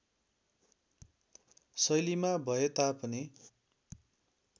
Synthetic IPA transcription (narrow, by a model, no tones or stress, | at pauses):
sʌjlimabʱʌet̪apʌni